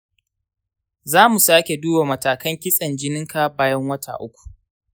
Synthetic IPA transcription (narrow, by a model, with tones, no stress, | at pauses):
zaː˦mu˨saː˦kʲe˨duː˦ba˨mɐ˨taː˨kɐ˦ŋkʲɪ˦sʼɐ˨nd͡ʒɪ˦nɪ˦ŋka˦baː˦jɐ˦ŋwɐ˦tʰa̰˨ʔʊ˦kʷu̥˨ʔ